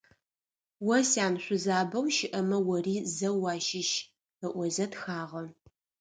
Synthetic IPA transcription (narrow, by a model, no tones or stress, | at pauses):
wɐsaːnɕʷʊzaːbɐwʃɪʔɐmɐwɐriːzɐwɑːʃɪʃ | əʔʷɔzɐtxaːʁɐ